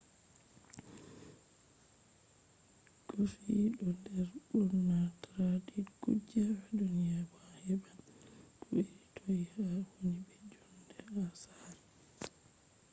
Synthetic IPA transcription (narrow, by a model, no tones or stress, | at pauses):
kofiɗɔndɛɾɗɔːatɾadiɡṵd͡ʒawɛdunijabahɛɓakuiitʰoihawonibɛd͡ʒɔndɛasal